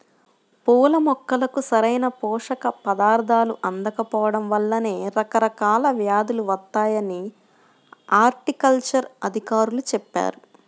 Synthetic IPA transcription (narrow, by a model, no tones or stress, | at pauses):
pɔːlɐmɔkːɐlɐkusɐɾɐjnɐpɔːʂɐkɐpɐd̪aːɾd̪ʱaːluʔɐnd̪ɐkɐpɔːʋɐɽɐmʋɐlːɐne̞ːɾɐkɐɾɐkaːlɐʋjaːd̪uluʋɐt̪ːaːjɐni | aːɾʈikɐlt͡ʃɐɾɐd̪ʱikaːɾulut͡ʃɛpːa̰ːɾu